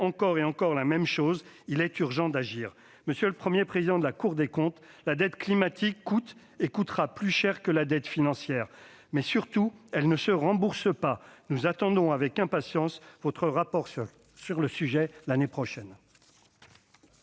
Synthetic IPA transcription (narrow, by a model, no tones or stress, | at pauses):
ɑ̃kɔʁeɑ̃kɔʁlamɛmʃoz | ilɛt̪yʁʒɑ̃d̪aʒiːʁ | məsjələpχəmjepχezid̪ɑ̃d̪əlakuʁd̪ekɔ̃t̪ | lad̪ɛt̪klimat̪ʰikːut̪ | ekut̪χaplyʃɛʁkəlad̪ɛt̪finɑ̃sjɛʁ | mɛsyʁt̪uɛlnəsəʁɑ̃buʁsəpanuzat̪ɑ̃d̪ɔ̃avɛkɛ̃pasjɑ̃svɔt̪χəʁapɔʁs | syʁləsyʒɛlanepχɔʃɛn